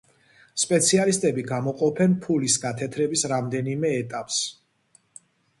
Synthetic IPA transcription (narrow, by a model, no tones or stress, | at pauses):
spʼɛt̪sʰialist̪ʼɛbiɡamɔqʼɔpʰɛnpʰulisɡat̪ʰɛt̪ʰɾɛbisɾamd̪ɛnimɛːt̪ʼapʼs